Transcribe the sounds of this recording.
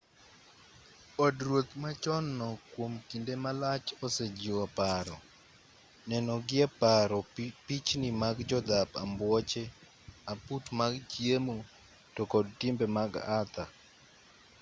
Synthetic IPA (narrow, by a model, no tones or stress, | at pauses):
ɔdɾwot̪mat͡ʃɔnːɔkwomkindemalat͡ʃɔsed͡ʒiwapaɾɔ | nɛnɔɡɪɛpaɾɔpit͡ʃnimaɡd͡ʒɔd̪apa̰mbwɔt͡ʃe | aputmaɡd͡ʒjemo | tɔkɔdtɪmbemaɡat̪a